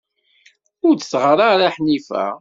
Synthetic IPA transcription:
ʊɾd̪ə̥sʁəɾˤaɾaħnifæ̰

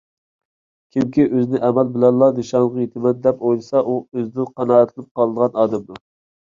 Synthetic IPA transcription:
kʲʰimkʲʰiʔøzɪnɪʔɛmɛlbɪlɛnlːˠɑnɨʃɑɴʁɑjet̪ʰɪmɛnd̪ɛpojlˠɨsɑʔuøzd̪ɪqʰɑnɑːɛt̪ʰɨlˠɨp̚qʰɑlˠɨd̪əʁɑnɑːd̪ɛmd̪u

